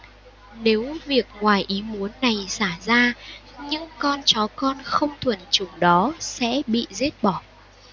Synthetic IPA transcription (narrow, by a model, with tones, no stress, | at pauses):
ne˨˦wvi˨˩ək̚ŋwaː˨˩jʔi˨˦mu˨˦ənːa˨˩jsaː˧˩zaː˧ | ɲɨ̰˧˥ŋkɔ˧nt͡ɕɔ˨˦kɔ˧nxə˧wŋ͡mt̪ʰwə˨˧˩nt͡ɕʊ˨˩˦ŋ͡mɗɔ˨˦sɛ̰˧˥ɓḭ˧˨zi˦˥ət̚ɓɔ˧˩